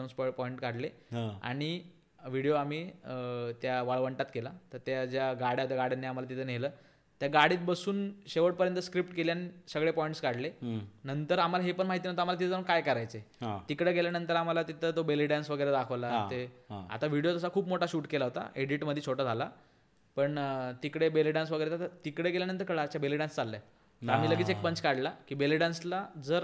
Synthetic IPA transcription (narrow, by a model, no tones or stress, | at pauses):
nsppɔiɳʈkaɽleɦaa̰ɽ̃i | ʋiɽijoamiː | t̪jaʋaɭʋəɳʈat̪kelat̪əɾt̪jad͡ʑjaɡaɽ̤jaɦot̪jaɡaɽjanːiam̤alat̪it̪ʰənɦeləː | t̪jaɡaɽiːt̪̚bəsuːnɕeʋəɽpəɾjənt̪əskɾipʈkeljanisəɡɭepɔiɳʈskaɽlenənt̪əɾam̤alaɦepəɳmaɦit̪inaot̪əam̤alat̪it̪ʰəd͡zəəkajkəɾajt͡seɦãt̪ikɽeɡeljanənt̪əɾam̤alat̪it̪ʰəːt̪obeliɖansʋəɡəjɾed̪akʰəʋlaeaa̰t̪aʋiɽijot̪əsakʰuːbmoʈaɕuːʈkelaɦot̪a̰ʔeɽiʈməd̪ʱjet͡ɕʰoʈad͡zʱala | pəɳt̪ikɽebeliɖansʋəɡəjɾet̪at̪t̪ikɽeɡeljanənt̪əɾkəɭaːt͡ɕjabeliɖanst͡salːja̰ | t̪am̤iːləɡiːt͡sek̚pəɲt͡skaɽlakiːbeliɖanslad͡zəɾ